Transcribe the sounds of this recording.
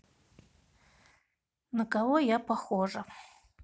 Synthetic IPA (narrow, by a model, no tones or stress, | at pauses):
nɐkʼawojapʰaxoʐɐ